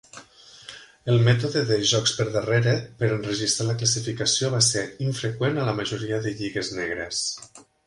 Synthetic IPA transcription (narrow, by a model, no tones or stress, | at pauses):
əlˠmɛt̪̬oðəðəʒɔkspəɾðəreɾəpəɾənrəʒist̪ɾaləkləsifikəsioβaseɾiɱfɾəkwenələməʒuɾiəðəʎiɣəzneɣɾes